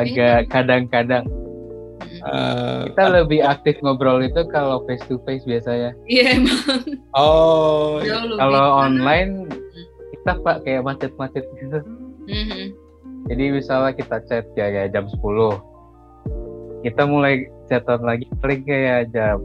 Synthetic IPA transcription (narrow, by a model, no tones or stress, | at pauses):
aɡakadaŋkadaŋ | ə̰kit̪aləbɪɦak̚t̪ɪfŋobɾɔlit̪ukalofest̪ufesbiasaɲaiamaɔ | kaloɔnlaɪn | kit̪apaʔkajaʔmat͡ʃɪt̪̚mat͡ʃɪt̪̚ɡit̪u | d͡ʒadibisalakit̪at͡ʃɛt̪̚jajad͡ʒamsə̥pulʊh | kit̪amulajt͡ʃɛt̪ɔnlaɡipalɪŋkajad͡ʒam